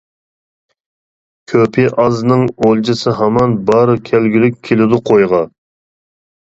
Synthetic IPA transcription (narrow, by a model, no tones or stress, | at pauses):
kʲʰøpʰɪʔɑznɨŋolˠd͡ʒɨsɨɦɑmɑnbɑɾɨkʲʰælɡʲilyk̚ʲʰːelɪd̪ʊqʰojʁɑ